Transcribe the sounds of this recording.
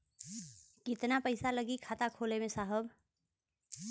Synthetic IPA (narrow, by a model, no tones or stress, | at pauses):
kɪt̪napəɪsaləɡikʰaːt̪akʰoːlemẽsaːɦəb